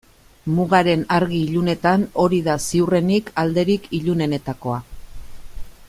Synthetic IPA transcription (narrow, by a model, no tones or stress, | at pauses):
muɣaɾe̞naɾɣiːʎune̞t̪ano̞ɾiðasiure̞nikʰald̪e̞ɾikʰiʎune̞ne̞t̪ako̞a